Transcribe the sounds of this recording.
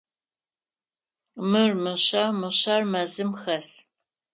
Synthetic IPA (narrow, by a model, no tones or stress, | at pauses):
mɨrmɨɕɐmɨɕɐrmɐzɨmxɐs